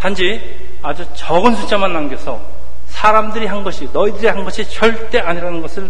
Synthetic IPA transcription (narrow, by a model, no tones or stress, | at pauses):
tand͡ʑi | ad͡ʑut͡ɕʌɡɯnsʰut͡ɕ͈ʰamanːaŋɡjʌsʰʌ̰ | sʰaɾamdɯɾiɦanɡʌɕʰinʌidɯɾihanɡʌɕʰit͡ɕʌɭt͈e̞ʔaɲiɾanɯnɡʌsʰɯɭ